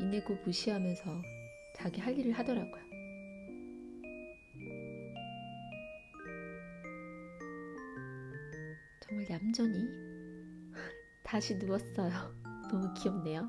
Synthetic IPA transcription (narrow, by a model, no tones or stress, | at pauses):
ineɡopuɕʰiɦamjʌnsʰʌ | t͡ɕaɡiɦaʎːiɾɯɭɦadʌɾaɡojo | t͡ɕʌŋmaɭdamd͡ʑʌɲi | taɕʰinuʌs͈ʌjonʌmukiʌmne̞jo